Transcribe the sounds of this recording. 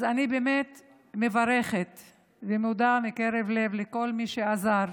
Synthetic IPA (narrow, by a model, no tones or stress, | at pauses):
zanibemet̪ | mevaɾeχet̪ | vemud̪amikeɾevlevleko̞lmiʃeazaɾ